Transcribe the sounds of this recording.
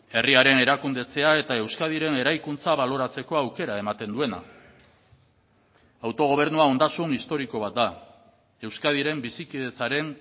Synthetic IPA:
e̞riaɾe̞ne̞ɾakund̪e̞t͡se̞ae̞t̪ae̞wskað̞iɾe̞ne̞ɾajkunt͡saβalo̞ɾat͡se̞ko̞awke̞ɾae̞mat̪e̞nd̪ue̞na̰ | awt̪o̞ɣ̞o̞β̞e̞ɾnuao̞nd̪asunist̪o̞ɾiko̞β̞at̪̚d̪a | e̞wskað̞iɾe̞mbisikiðe̞t͡saɾe̞n

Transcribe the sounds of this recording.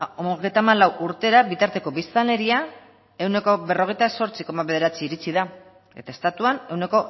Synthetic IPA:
oɣejt̪aːmalawʔuɾt̪e̞ɾabit̪aɾt̪e̞ko̞βist̪ale̞ɾia | e̞wne̞ko̞βe̞ro̞ɣ̞e̞jt̪aso̞ɾt͡siko̞maβe̞ðe̞ɾat͡siːɾit͡siða | e̞̰t̪aest̪at̪uane̞wne̞ko̞

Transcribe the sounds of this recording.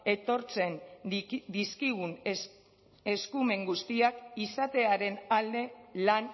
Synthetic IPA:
e̞t̪o̞ɾt͡se̞nd̪iskiɣ̞un | e̞skume̞ŋɡust̪iakisat̪e̞aɾe̞nald̪e̞lan

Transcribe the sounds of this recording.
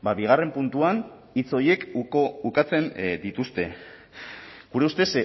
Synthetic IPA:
baβiɣ̞are̞mpunt̪uan | it͡so̞je̞kukat͡se̞nd̪it̪ust̪e̞ | ɡ̥uɾe̞ust̪e̞s

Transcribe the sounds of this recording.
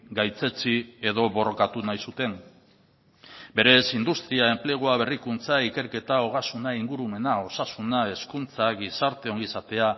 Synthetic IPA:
ɡajt͡se̞t͡sie̞ðo̞βo̞ro̞kat̪unajsut̪e̞ŋ | be̞ɾe̞sind̪ust̪ɾiae̞mple̞ɣ̞oaβe̞rikunt͡saike̞ɾke̞t̪aoɣ̞asunaiŋɡuɾume̞nao̞sasunae̞skunt͡saɡisaɾt̪e̞o̞ŋɡisat̪e̞a

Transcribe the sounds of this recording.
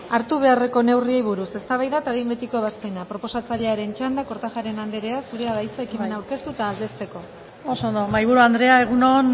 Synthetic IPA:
aɾt̪uβ̞e̞are̞ko̞ne̞wriejβ̞uɾuse̞st̪aβajðat̪aβembe̞t̪iko̞βaspenapɾo̞po̞sat͡saʎeaɾe̞nt͡ʃand̪ako̞ɾt̪axaɾe̞nand̪eɾe̞asuɾe̞aðajt͡saekime̞nawɾke̞st̪uet̪aːld̪e̞st̪e̞ko̞ | osond̪omajβuɾuand̪ɾe̞aeɣunon

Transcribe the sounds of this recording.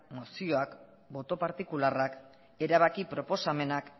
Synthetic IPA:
mosio̞ak | bo̞t̪o̞paɾt̪ikularak | e̞ɾaβakipɾo̞po̞same̞nak

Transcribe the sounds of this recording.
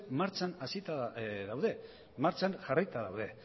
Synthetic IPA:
maɾt͡ʃanasit̪aðawðe̞ | maɾt͡ʃanʝarajt̪aðawðe̞

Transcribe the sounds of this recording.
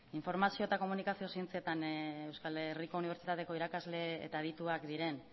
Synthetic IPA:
iɱfo̞ɾmasio̞et̪ako̞munikasio̞sie̞nt͡see̞t̪ane̞wskaleriko̞uniβɾt͡ʃit̪at̪e̞ko̞iɾakazle̞ḛt̪aeðit̪uakd̪iɾe̞n

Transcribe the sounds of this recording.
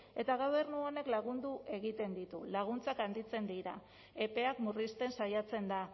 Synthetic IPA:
e̞t̪aɣawβeɾnuo̞ne̞klaɣ̞und̪uʔe̞ɣit̪e̞nd̪it̪ulaɣ̞unt͡sakand̪it͡se̞nd̪iɾa | e̞pe̞akmurist̪e̞nsajat͡se̞nd̪a

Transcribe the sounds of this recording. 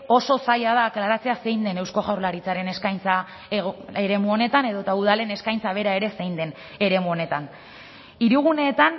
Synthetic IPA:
o̞so̞sajaðaːklaɾat͡se̞ase̞jnd̪e̞ne̞wsko̞ʝawɾlaɾit͡saɾe̞ne̞skajnt͡sa | eɾe̞muo̞ne̞t̪ane̞ðo̞t̪auð̞ale̞ne̞skajnt͡saβ̞e̞ɾae̞ɾe̞se̞jnd̪e̞n | e̞ɾe̞muone̞t̪an | iɾuɣ̞une̞ːt̪an

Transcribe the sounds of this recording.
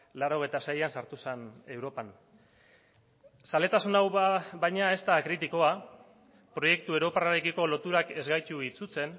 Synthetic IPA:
laɾo̞ɣ̞e̞jt̪asejansaɾt̪usene̞wɾo̞pan | sale̞t̪asunawbajɲae̞st̪akɾit̪iko̞a | pɾo̞je̞k̚t̪ue̞ɾo̞paraɾekiko̞lo̞t̪uɾake̞zɣajt͡ʃuit͡sut͡se̞n

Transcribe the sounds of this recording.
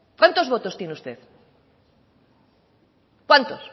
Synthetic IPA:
kwant̪o̞zβo̞t̪o̞st̪jeneust̪e̞ð | kwant̪os

